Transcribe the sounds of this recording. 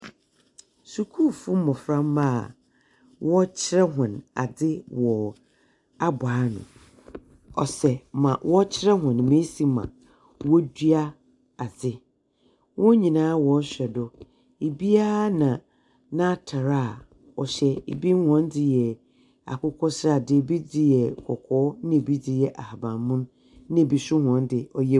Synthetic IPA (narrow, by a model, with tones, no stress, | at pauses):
su˨kʰu˦˨fu˦mɔ̃˨fɾã˦mː˦ã˦˨ | wʔɔ˦t͡ɕʰɪ˦ɾɛ˦ɦʊ̃˨na̰˨dɪ˦wɔ˨ | a˦baː˨˦nʊ̰̃˨ | ɔ˨sɛ˨mã˨wʔɔ˦t͡ɕʰɪ˦ɾɛ˦ɦʊ̃˨n˨mẽ˦si˨mã̰˨ | wɔ˦dɥa˦ | a˨d͡zɪ˦ | wɔ̃˦ɲĩ˨nãː˦wɔ˦ɕᶣɛ˨dʊ˦ | e˨bi˦a˦nã˨ | nã˦tʰa˨ɾa˦˨ | ɔ˨ɕɛ˦ḛ˨bi˦hɔ̃˦ndɪ˨jɛ˨ | a̰˨kʊ˦kʰɔ˦sa˨dɪ˨bi˦dɪ˦jɛ˨kʰɔ˨kʰɔː˦nɪ̃˦e˨bi˦dɪ˦jɛ˨ʔa˨ha˨bã˨mmʊ̃˦n˦ | nɪ̃˦˨bi˨sʊ˦hɔ̃˨ndɪ˨ɔ˨jɛ˦